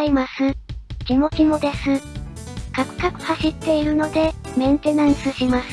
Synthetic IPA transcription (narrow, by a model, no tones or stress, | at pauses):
imasɨkʲimo̞kʲimo̞d̪e̞sɨ | kakɯ̟̥kakɯ̟̥haɕit̪ːe̞iɾɯ̟no̞d̪e̞mẽ̞nt̪e̞nãɰsɨɕimasɨ̥